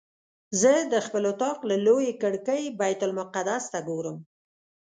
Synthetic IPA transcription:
zəd̪əxpəlot̪ɑqlalojekəɽkəjbajt̪ʊlmʊqad̪ast̪aɡoɾəm

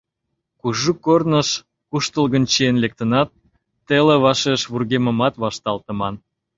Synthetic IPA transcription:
kuʒukornəʃ | kuʃt̪əlɣənt͡ɕienlek̚t̪ənɑt̪ː | eleβɑʃeʃβurɣemə̆mɑt̪βɑʃt̪ɑlt̪ə̆mɑn

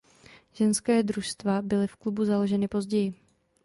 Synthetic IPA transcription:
ʒɛnskɛːdɾuʃst̪vabɪlɪfklubuzalo̞ʒɛnɪpo̞zɟɛjɪ

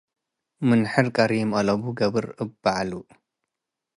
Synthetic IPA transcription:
mɨnħɨɾkʼɐɾimʔɐlɐβuɡɐβɨɾɨbːaʕalu

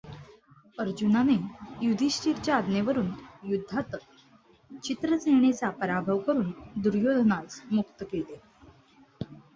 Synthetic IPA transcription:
əɾd͡ʑunanejud̪ʱiɕʈiɾt͡ɕjaːd̪neʋəɾuːnjud̪ʱːat̪ək | t͡ɕit̪ɾəsəjɳ̃et͡sapəɾabʱəʋkəɾuːnd̪uɾjod̪ʱnat͡smuk̚t̪əkele

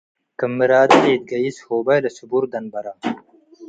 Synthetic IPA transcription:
kəmːiɾaːd̪iːd̪̚ɡɐishoːbajlɐsubuɾd̪ɐnbɐɾa

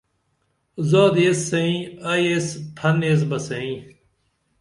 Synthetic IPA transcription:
zoːd̪esːɐĩɐjespʰɐneːs̬bɐsɐ̃ĩː

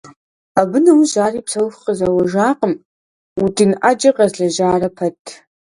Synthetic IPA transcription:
abɨnɐwuʒaːriːpsɐwfqəzaːwɐʒaːqʼəm | utʰinʔad͡ʒɐqɐzɮɐʒaːrɐpʰɐtʰ

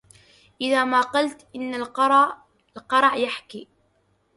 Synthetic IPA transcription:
ʔɪðaːmaːqɑlt̪ʔɪnːalɾˤ | lqɑɾˤʕjaħkiː

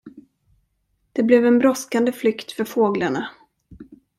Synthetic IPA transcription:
d̪̥ɛblɛvɛnbɾɔskand̪əflʏkt̪fœɾfoːɡlaɳa

